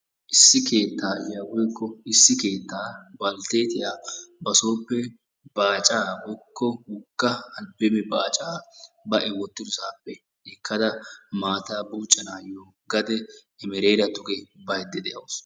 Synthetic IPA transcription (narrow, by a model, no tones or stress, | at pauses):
ʔɪsːɪkʰe̞ːt̪ːaːjaɡɔjkːɔɪsːɪke̞ːt̪ːaːbɐlt̪e̞ːt̪ɪjaːbɐso̞ːpːɛ | baːt͡ʃʼaːbɔkːɔhʊkːɐɐbɛmɛbaːt͡ʃʼaːbɐʔɛwɔt̪ːɪd̪ʊsaːpːɛ | ɛkʰːɐd̪ɐmaːt̪aːbuːt͡ʃʼːɐnaːjːɔ | ɡɐd̪ɛːmɛɾeːɾɐt̪ʊɡɛbɐjd̪ːɛd̪ɛjɐws